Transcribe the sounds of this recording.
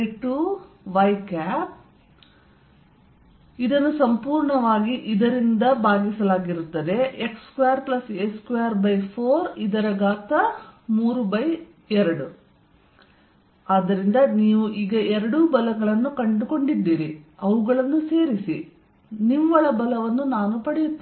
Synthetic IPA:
ʈu | ʋɐjkaːp̚ | id̪ɐnːusɐmpuːɾɳɐʋaːɡiʔid̪ɐɾind̪ɐbaːɡisɐlaːɡiɾut̪ːɐd̪e̞ʔekskujaːɾplɐseskujaːɾbɐjpʰoːɾid̪ɐɾɐɡaːt̪ɐmuːɾubɐj | ɛɾɐɽu | aːd̪ɐɾind̪ɐniːʋuʔiːɡɐɛɾɐɽubɐlɐɡɐɭɐnːukɐɳɖuko̞ɳɖid̪ːiːɾiɐʋuɡɐɭɐnːuse̞ːɾisi | nimʋɐɭɐbɐlɐʋɐnːunaːnupɐɽɛjut̪ːe

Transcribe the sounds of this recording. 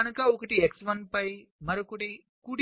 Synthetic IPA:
ɐnukɐɔkɐʈieksʋɐnpɐjmɐɾokuʈi | kuɽ

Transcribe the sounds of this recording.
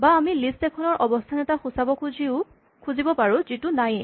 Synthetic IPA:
baːmilistɛkʰɔnɔɹʔɔbɔstʰanɛtaxusabɔkziʊ | kʰuzibɔpaɹũzitʊnaj

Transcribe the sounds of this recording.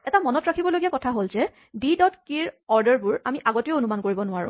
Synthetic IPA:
ɛtamɔnɔtɹakʰibɔloɡijakɔtʰaɦolzɛ | bidɔtkiɹɔɹdəɹbʊɹamiʔaɡoteoonumankoɹibɔnʊaɹʊ̰̃

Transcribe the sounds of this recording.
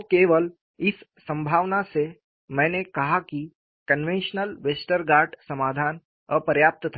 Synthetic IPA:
keʋəl | ɪssə̃mbʱaːʋnase | mɛ̃ːnekɐɦaki | kənʋẽnʃənəlʋesʈəɾɡaːɾɖsəmaːd̪ʱaːn | əpəɾjaːp̚t̪ət̪ʰa

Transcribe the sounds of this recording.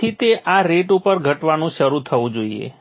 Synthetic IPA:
it̪eʔaɾeʈupəɾɡʱəʈʋanũʃəɾut̪ʰəʋũd͡ʒoiḛ

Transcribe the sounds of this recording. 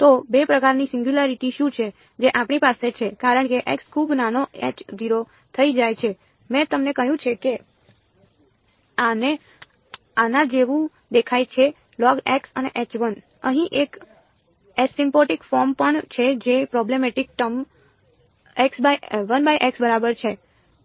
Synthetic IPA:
t̪obepɾəkaɾnisɪ̃ŋɡjulaɾiʈiʃũt͡ʃʰe | d͡ʒeʔapɳ̃ipaset͡ʃʰekaɾəɳkeʔekskʰubnanoḛt͡ʃd̪iɾo | t̪ʰəid͡ʒajt͡ʃʰe | mɛ̃t̪əmnekəɦjũt͡ʃʰeke | ane | anad͡ʒeʋũ | d̪ekʰajt͡ʃʰe | lɔɡeksəneʔet͡ʃʋən | əɦĩʔek | esimpoʈikfɔɾmpəɳt͡ʃʰed͡ʒepɾɔblemeʈik̚ʈəm | eksbajʋənbajʔɛksbəɾabəɾt͡ʃʰe

